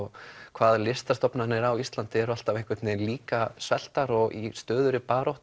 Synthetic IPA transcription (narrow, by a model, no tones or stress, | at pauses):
ɣkʰvaːðlɪst̪ast̪ɔpnanɪɾawist̪lant̪ɪɛɾʏal̥t̪aveŋkvɪt̪nɪliːkasvɛl̥t̪aɾɔɣḭst̪œːðʏɾɪpaːɾɔwht̪